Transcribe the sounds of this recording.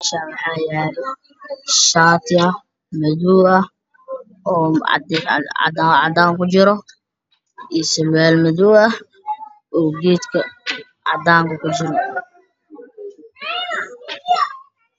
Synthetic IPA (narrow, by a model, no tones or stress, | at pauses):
ɐʃaːwɑħɑːjɛɾɪ | ʃaːt̪ʰɪɐ | mɐðuːɐ | ɔ̰ːd̪ɑ̰d̪aːʕɑ̰d̪aːŋkʊt͡ʃɪɾɔ | ʔisɐβɛːlmɐðuːɐ | ʔɔːɡiːt̪kʰɐ | ʕɑ̰d̪aːŋkɐkʰʊt͡ʃɪɾɔ